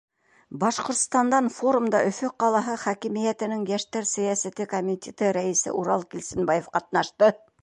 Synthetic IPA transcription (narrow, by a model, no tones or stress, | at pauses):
bɑʃqŏɾt̪st̪ɑnd̪ɑnfoɾumd̪ɑʔɵ̆fɵqɑlˠɑɦɤχækĭmijæt̪ɘ̆nɘŋjæʃt̪æɾsæ̆jɑsæt̪ɘkomʲitʲet̪ɘɾæisɘ̰ʔuɾɑlˠkilʲsɘ̆nbɑjefqɑt̪̚nɑʃt̪ɤ